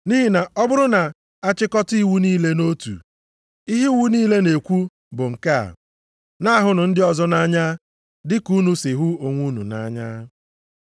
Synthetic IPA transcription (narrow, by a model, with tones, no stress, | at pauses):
niː˦ɦi˨na˨ɔ˦bʊ˦ɾʊ˦na˨ | a˦t͡ʃɪ˦kɔ˦ti˦wu˦niː˦le˦no˦tṵ˨ | i˦ɦi˦wu˦niː˦le˦ne˨kʷu˦ | bʊ˨ŋ̩˨ka˦a̰˨ | na˦ɦʊ˨nʊ˨n̩˦dɪ˦ɔ˦zɔ˦na˦ɲa˦ | dɪ˦ku˦nu˦sɪ˨ɦu˦o˨ŋʷu˦nṵ˨na̰˦ɲa˦